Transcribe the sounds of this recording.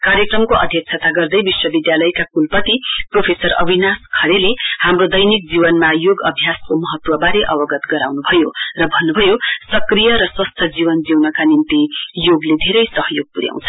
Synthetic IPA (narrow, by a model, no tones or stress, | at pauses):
kaɾjʌkrʌmkoʔʌd̪ʱjʌk̚t͡sʰat̪aɡʌrd̪ʌjbiswʌbid̪jalʌjkakulpʌt̪ipropʰesʌrʌ̰binaskʰʌɾelehamrod̪ʌjnik̚d͡zibʌnmajoɡʌbʱjaskomʌɦʌt̪wʌbaɾeʔʌbʌɡʌt̪ɡʌɾa̰wnubʱʌjorʌbʱʌnːubʱʌjosʌkrijʌɾʌswʌst̪ʰjʌd͡zibʌnd͡ziwnʌkanint̪ijoɡled̪ʱeɾʌjsʌɦʌjoɡ̚puɾja̰w̃t͡sʰʌ̥